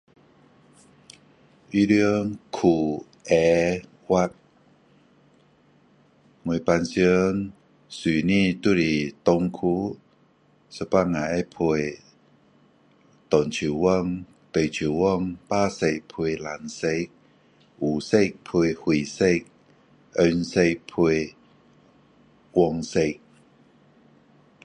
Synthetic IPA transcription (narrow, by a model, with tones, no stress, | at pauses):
i˧˦ɾi˧əŋkʰu˨˩ | ɛ˧ | wa˧t̚ | ŋu˨˩˨pa˧nsi˧˦ŋ | si˨˩nĩ˧˨t̪u˧˨ɾi˨˩t̪o˧ŋkʰu˧˦ | sə˧˩pa˥˧ŋa˨ɛ˧˥˦pʰu˧j | t̪ɔ˨˩nt͡ɕʰu˨˩wɔ˥˧ŋ | t̪ə˨˩jt͡ɕʰu˨˩wɔ˥˧ŋpaː˦se˧˨pʰe˧la˨˩nse˧k̚ | u˨˩se˥˧k̚pʰu˧hwi˨˩se˥˧k̚ | œ˧nse˧pʰu˧ | wɔ˧ŋse˧k̚